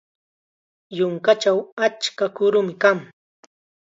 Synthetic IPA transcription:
jʊŋkat͡ʃawat͡ʃkakʊɾʊmɪkaŋ

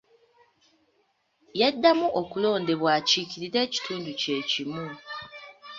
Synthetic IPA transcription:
jedːamuʔokulo̞ːnde̞βwaːciciɾiɾe̞ːci̥tʰuːnduce̞ːcimu

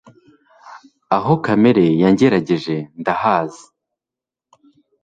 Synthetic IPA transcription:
aɦo̞kameɾe̞jaɲɟeɾaɟe̞ʒe̞ndahaːzi̥

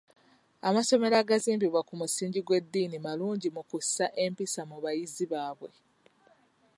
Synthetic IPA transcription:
amaso̞me̞ɾaɡaziːmbiβwakumusiːɲɟiɡwe̞d̪ːiːnimaluːɲɟimukusaʔe̞mpisamuβajiziβaːβwe̞

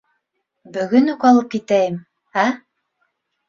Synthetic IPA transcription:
bɵ̆ɡɵnukɑlˠɤp̚kit̪æjɘm | æ

